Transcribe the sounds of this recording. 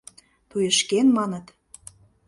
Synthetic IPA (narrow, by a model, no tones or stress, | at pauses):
t̪ujə̆ʃkenmɑnə̆t̪